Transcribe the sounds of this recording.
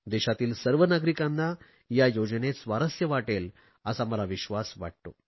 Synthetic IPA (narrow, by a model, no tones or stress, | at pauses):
d̪ɛɕat̪iːlsəɾʋənaɡɾikãnːa | jajod͡ʑnesʋaɾəsjəʋaʈel | əsaməlaʋiɕʋasʋa̰ʈ̚t̪o̰